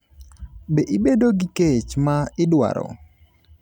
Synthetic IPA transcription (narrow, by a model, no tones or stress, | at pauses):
beʔibedoɡiket͡ʃmaɪdwa̰ɾɔ̰